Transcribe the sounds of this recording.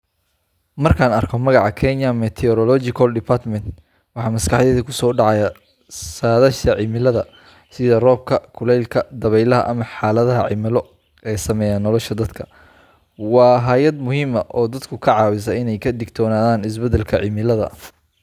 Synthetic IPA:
mɐrkʰaːnɐrkʰɔmɐɣɑʕɑkʰɛnjɐmɛt̪ʰɛɔɾɔlɔt͡ʃɪkʰɐlɖɪpʰat̪mɛnt̪ | wɑħɑːmɐskʰɑħjɛðikʰʊsɔːɖɑʕɑjɐ | saːðɐʃt̪ɐʕɪmɪlɐðɐ | sɪðɐrɔːb̚kʰɐkʰʊlɛjlkʰɐd̪ɐβɛjlɐɦɐ̰ʔɐmɐħɑːlɐðɐɦɐʕɪ̰mɪlɔ | ɛːsɐmɛːjaːnːɔlɔʃɐd̪ɐd̪kʰɐ̥ | wɑːɦaːjɐd̪mʊɦiːmɐʔɔːd̪ɐd̪kʰʊkʰɐʕɑːwɪs̬ɐɪnɛjkʰɐd̪ɪɡt̪ʰɔːnaːðaːnɪs̬bɛd̪ɛlkʰɐʕimɪlɐðɐ̰

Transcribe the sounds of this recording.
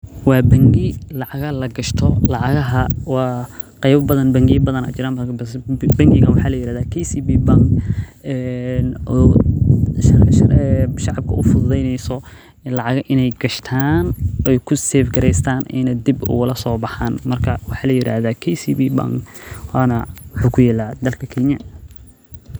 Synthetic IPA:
wɑːbɐŋɡɪlɑʕɑɣɐlɐɡɐʃt̪ʰɔlɑʕɑɣɐɦɐwɑː | qɛjβɐbɐðɐnbɐŋɡɪbɐðɐnɐ̰ːt͡ʃɪɾaːnmbɐ | bɐŋɡɪɣɐnwɑħɑːlɐjɪɾaːðaːkʰɛjsibiːbɐŋkɛnɔ | ɛʃɑʕɑb̚kʰɐʔʊfʊððɛjnɛjsɔ | lɑʕɑɣʔɪnɛjɡɐʃt̪ʰaːnɛjkʰʊsɛːfɡɐɾɛjst̪ʰaːnʔɛ̰nɐd̪ibʊ̰ɣʊlɐsɔːbɑħaːnmɐrkʰɐwɑħɑːlɐjɪɾʔa̰ːðaːkʰɛjsibiːba̰ŋkwɑːnɐwʊħuːkʰʊjɛːlaːd̪ɐlkʰɐkʰɛɲɐ

